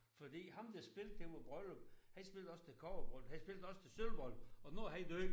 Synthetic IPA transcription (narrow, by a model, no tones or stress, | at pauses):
fɒ̽d̥ḭːhɑ̈md̥esb̥e̝ld̥̚eʋɒb̥ʁœløb̥hæ̥isb̥e̝ld̥ɒ̽st͡sʰe̝lkʰɒɐb̥ʁɔl̰hæisb̥e̝ld̥ɒ̽st͡sʰe̝sølb̥ɒl̰̥ɒ̽noɦæid̥øɡ